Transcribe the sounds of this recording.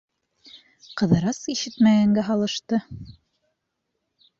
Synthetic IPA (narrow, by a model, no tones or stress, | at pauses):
qɤ̆ðɤ̆ɾɑsiʃɘt̪mæɡæŋɡæɦɑlˠɤ̆ʃt̪ɤ